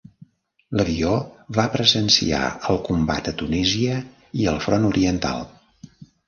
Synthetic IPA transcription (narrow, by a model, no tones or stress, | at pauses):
ləβioβapɾəzənsḭa̰əlˠkumba̰t̪ət̪uniziə | iəlˠfɾɔnuɾiənt̪a̰lˠ